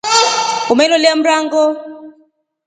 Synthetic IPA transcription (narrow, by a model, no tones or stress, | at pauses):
kumɛlɔlem̩raŋɡɔ